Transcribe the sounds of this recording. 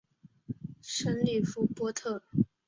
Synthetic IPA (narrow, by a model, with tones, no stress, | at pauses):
ʂə˥nli˥˩fu˥˩pwɔ˥t̪ʰɤ˥˩